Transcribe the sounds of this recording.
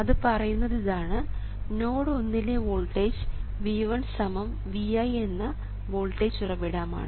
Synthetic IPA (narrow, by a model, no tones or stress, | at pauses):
ɐðɨpɐrɐjunːɐðiðaːɳɨ | no̞ːɽɨo̞nːileʋoːɭʈeːd͡ʑɨ̥ʋiːʋɐɳsɐmɐm | ʋijaje̞nːɐ | ʋoːɭʈeːd͡ʑurɐʋiɽaːma̰ːɳɨ